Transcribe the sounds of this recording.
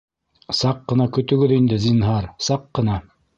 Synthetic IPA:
sɑqːɤ̆nɑkɵ̆t̪ɵ̆ɡɵðind̪ɘzinɦɑɾsɑqːɤ̆nɑ

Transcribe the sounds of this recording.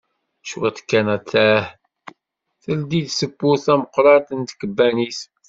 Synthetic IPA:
ʃwæt̪kːænæt͡sːæh | θəld̪iðsəbːuθæməqːɾˤɑt̪ənt̪kəbːænis

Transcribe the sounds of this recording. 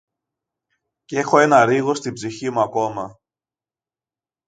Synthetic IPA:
cee̞xo̞e̞nɐɾiɣo̞st̪ibziçimuɐko̞mɐ

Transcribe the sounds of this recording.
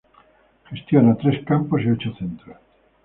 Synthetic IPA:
χest̪jonat̪ɾeskamposiot͡ʃoθent̪ɾo

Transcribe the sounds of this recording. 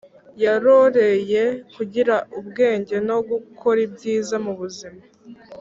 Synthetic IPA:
jaɾoɾe̞je̞kuɟiɾaubɡe̞ːɲɟe̞no̞ɡukʰo̞ɾibɟiːzamuβuzima

